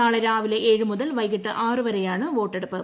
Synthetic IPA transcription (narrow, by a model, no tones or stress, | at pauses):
aːɭɐɾaːʋileʔeːɻɯmʊðɐlʋɐjɣiʈːɨʔaːrɯʋɐɾɐjaːɳɨʋoːʈːeɽɯpːɯ